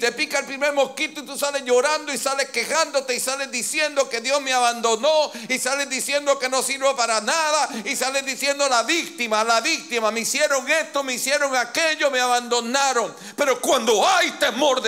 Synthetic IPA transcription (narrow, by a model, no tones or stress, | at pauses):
t̪e̞pikaelpɾime̞ɾmo̞hkit̪oit̪usale̞zʝo̞ɾand̪oisale̞ske̞xand̪o̞t̪e̞isale̞zðisje̞nd̪o̞ke̞ðjo̞zmeaβand̪o̞no̞isalezðisje̞nd̪o̞ke̞no̞siɾβopaɾanaðaisalezðisje̞nd̪olaβik̚t̪imalaβik̚t̪imameisje̞ɾo̞ŋe̞st̪o̞meisje̞ɾo̞ŋake̞ʎo̞meaβand̪o̞naɾo̞ŋ | pe̞ɾo̞kwand̪o̞ajt̪e̞mo̞ɾ